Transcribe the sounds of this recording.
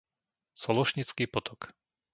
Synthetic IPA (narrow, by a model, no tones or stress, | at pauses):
sɔlɔʃɲit͡skiːpɔt̪ʰɔk